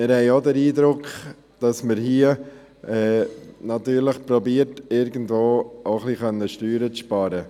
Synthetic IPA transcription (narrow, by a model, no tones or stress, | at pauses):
mɪɾhɛɪodəɾiːdɾʊkχ | d̥ɑsməɾɦiə | ɛːnɑt̪yːɾləχpɾɔbiːəɾtɪɾɡən̩dvoːoχliχœnːəʃtyːɾət͡sʃpɑːɾə